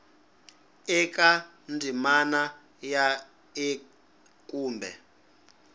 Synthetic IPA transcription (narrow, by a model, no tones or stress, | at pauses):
ɛk̬ʼa | ndimana | ja | e | kuːmbʱɛ̰